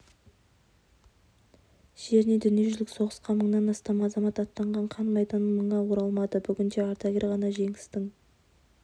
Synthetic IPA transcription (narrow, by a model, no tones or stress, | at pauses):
ʒ̥e̞ɾɪne̞d̪ʏnije̞ʒʏlɪkso̞ʁəsqɑnməɴnɑnɑst̪ɑmɑzɑmɑt̪ɑt̪ːɑɴʁɑɴqʰɑnmɑjt̪ɑnməɴːɑwoɾɑlˠmɑd̪əbʏɡʲɪnd̪e̞ɑɾt̪ɑɡʲeɾʁɑnɑʒe̞ŋɪst̪ɪŋ